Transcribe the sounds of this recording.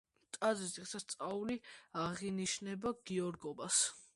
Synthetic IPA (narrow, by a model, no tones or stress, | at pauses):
t̪ʼad̪ziziχsast̪sʼauliaʁiniʃnɛbaɡ̥iɔɾɡɔbas